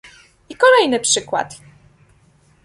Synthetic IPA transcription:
ikɔlɛjnɘpʂɘkwa̰t̪

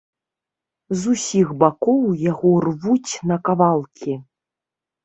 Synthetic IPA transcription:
zusʲiɣbakɔwjaɣɔrvut͡sʲnɐkavalˠkʲi

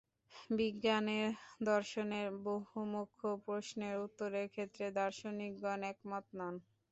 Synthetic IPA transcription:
biɡːaneɾd̪ɔɾʃoneɾboɦumokʰːopɾoʃneɾut̪ːoɾeɾkʰet̪ːɾed̪ɔɾʃonik̚ɡɔnɛkmɔt̪nɔn

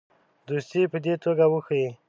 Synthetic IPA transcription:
d̪ust̪ipəd̪et̪oɡawəxəi

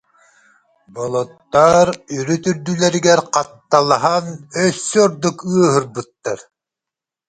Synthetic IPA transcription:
bɔlˠɔt̪ːaɾyɾyt̪yɾd̪ylɛɾiɡɛɾqɑt̪ːalˠaɦanœsːyɔɾd̪ukɯəɦɯɾbɯt̪ːaɾ

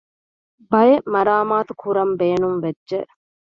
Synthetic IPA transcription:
bɐjemɐɾaːmaːt̪ukʰuɾɐmbeːnumʋedʒeʔ

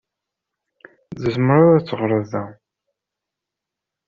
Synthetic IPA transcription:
ðəzmɾʊɾæt͡sːəʁɾˤəðæ

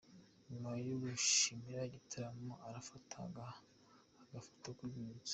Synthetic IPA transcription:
ɲumajuβuʃimiɾaɟitʰaɾamaʔaɾafatʰa̰ɡaː | ɡafḁtakuzit͡sḁ

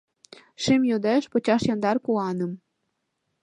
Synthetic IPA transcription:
ʃimjod̪eʃpɤ̆t͡ɕɑʃjɑnd̪ɑrkuɑnəm

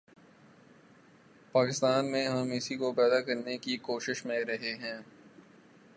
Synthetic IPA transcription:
paːkɪst̪aːnmẽɦɐmɪsikopɛːd̪akɐɾnekikoːʃɪʃmẽɾɐɦeɦɛ̃ː

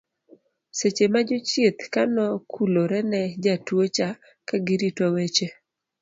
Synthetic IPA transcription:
set͡ʃemad͡ʒʊt͡ʃjet̪kanɔkʰuloɾɛnɛd͡ʒatwot͡ʃa | kaɡɪɾitowet͡ʃe

